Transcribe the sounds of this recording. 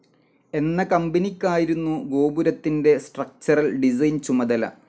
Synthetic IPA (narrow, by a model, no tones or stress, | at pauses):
e̞nːɐkɐmbɐnikʲːaːjiɾunːuɡo̞ːbuɾɐt̪ːinde̞sʈrɐk̚t͡ɕɐrɐlɖis̬ɐjnt͡ɕumɐðɐlɐ̰